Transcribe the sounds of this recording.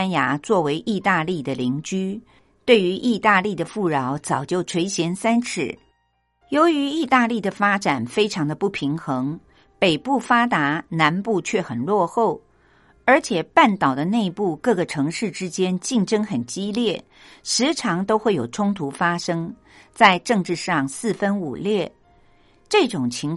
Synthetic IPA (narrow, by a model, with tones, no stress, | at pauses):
nja˧˥t͡swɔ˥˩we˧˥ɪʔi˥˧t̪a˥˧li˥˩d̪ə˩li˧˥ŋt͡ɕy˥ | t̪we˥˩ɪy˧˥ʔi˥˧t̪a˥˧li˥˩d̪ə˩fu˥˩ɻɑ˧˥ʊt͡sɑ˨˩ʊt͡ɕjo˥˩ʊʈ͡ʂʰwe˧˥ɪɕjɛ˧˥nsa˥nʈ͡ʂʰɻ̩˧˥˩ | jo˧˥ʊy˧˥i˥˧t̪a˥˧li˥˩d̪ə˩fa˥ʈ͡ʂa˨˩nfe˥ɪʈ͡ʂʰɑ˧˥ŋd̪ə˧pu˥˩pʰi˧˥ŋxɤ˧˥ŋ | pe˨˩ɪpu˥˩fa˥t̪a˧˥na˧˥npu˥˧t͡ɕʰɥɛ˥˩xə˨˩nlwɔ˥˧xo˥˩ʊ | ə˞˧˥t͡ɕʰjɛ˨˩pa˥˩nt̪ɑ˨˩ʊd̪ə˦ne˥˧ɪpu˥˧kɤ˥˩ɡə˩ʈ͡ʂʰɤ˧˥ŋʂɻ̩˥˩ʈ͡ʂɻ̩˥t͡ɕjɛ˥nt͡ɕi˥˩ŋʈ͡ʂɤ˥ŋxə˨˩nt͡ɕi˥ljɛ˥˩ | ʂɻ̩˧˥ʈ͡ʂʰɑ˧˥ŋt̪o˥ʊxwe˥˩ɪjo˨˩ʊʈ͡ʂʰʊ˥ŋt̪ʰu˧˥fa˥ʂɤ˥ŋ | t͡sa˥˧ɪʈ͡ʂɤ˥˧ŋʈ͡ʂɻ̩˥˧ʂɑ˥˩ŋsɹ̩˥˩fə˥nṵ˨˩ljɛ˥˩ | ʈ͡ʂɤ˥˩ʈ͡ʂʊ˨˩ŋt͡ɕʰi˧˥ŋ